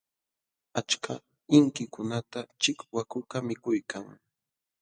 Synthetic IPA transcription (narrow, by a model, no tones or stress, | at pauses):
at͡ʃkʰa | ɪŋkɪkʊnat̪at͡ʃɪkwakʊkamɪkʊjkʰaŋ